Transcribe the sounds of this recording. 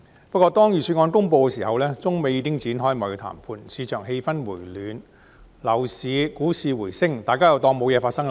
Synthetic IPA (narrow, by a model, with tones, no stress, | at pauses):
pɐ˥t̚kʷːɔː˧t̪ɔː˥ŋjyː˨˩syː˧ŋɔː˧nkʊ˥ŋp̬o˧wkɛ˧siː˨˩hɐ˨wlɛː˥t͡sʊ˥ŋme˨˧jiː˧kɪ˥ŋt͡siː˨˥nɦɔː˥jmɔ˨˩jt̪ʰa̰ː˨˩mpʰuː˧nsiː˨˧t͡ʃʰœː˨˩ŋɦe˧jfɐ˥nwuː˨˩jlyː˨˧n | lɐ˨˩wsiː˨˧kuː˨˥siː˨wuː˨˩jsɪ˥ŋt̪aː˨jkaː˥jɐ˨˧wt̪ɔː˧ŋmo˨˧wjɛː˨˧faː˧tsɐ˥ŋl